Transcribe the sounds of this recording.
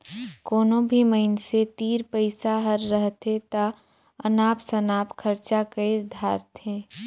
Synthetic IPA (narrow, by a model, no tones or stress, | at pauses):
koːnõbʱiməɪnset̪iːɾpəɪsaɦəɾːəɦt̪et̪a | ənaːpsɐnaːpkʰəɾt͡ʃakəeɾd̪ʱaːɾt̪ʰẽː